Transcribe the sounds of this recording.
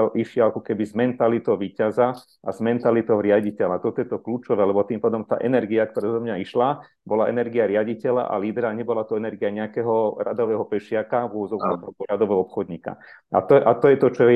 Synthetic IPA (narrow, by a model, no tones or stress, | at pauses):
lʔiʃɪaakɔkɛbizmɛnt̪alit̪ɔʊʋiːcaza | ʔazmɛnt̪alit̪ɔʊɾɪaɟicɛlat̪ɔt̪ɔjɛt̪ɔkluːt͡ʃɔʋɛːlɛbɔt̪iːmpaːd̪ɔmt̪a̰ːʔɛnɛɾɡiak̚t̪ɔɾazɔmɲaiʃla | bɔlaʔɛnɛɾɡiaɾɪaɟicɛla̰ʔa̰liːd̪ɾaɲɛbɔlat̪uɛnɛɾɡiaɲɛakɛɦɔɾa̰d̪ɔʋɛːɦɔpɛʃɪakaʋʊɔʋɔd͡zɔkat̪ɾɔkɔɾad̪ɔʋɛːɦɔɔpxɔd̪ɲiːka̰ | a̰t̪ɔʔat̪ɔjɛt̪ɔt͡ʃɔ